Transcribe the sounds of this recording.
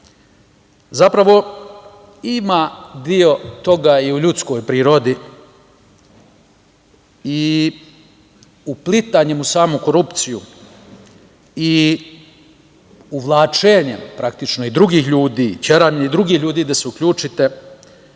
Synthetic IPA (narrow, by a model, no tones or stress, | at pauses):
zapɾaʋo̞ | imad̪io̞t̪o̞ɡaiuʎut̪sko̞jpɾiːɾod̪i | i | uplit̪aɲemusaːmuko̞ɾupt̪siju | i | uʋlˠaːt͡ʃeːɲepɾak̚t̪it͡ʃno̞id̪ɾuɡiːxʎuːd̪it͡ɕeɾaɲeid̪ɾuɡiːxʎʲuːd̪iːd̪aseukʎʲuːt͡ʃit̪e